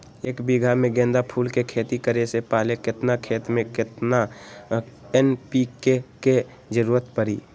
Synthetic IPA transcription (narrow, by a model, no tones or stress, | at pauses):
eːkbiɡʱamẽɡẽːnd̪apʰuːlkekʰeːt̪ikəɾesepaːlekɪt̪nakʰeːt̪mẽkɪt̪na | ɛnpikeke | d͡ʒəɾuːɾət̪pəɾḭː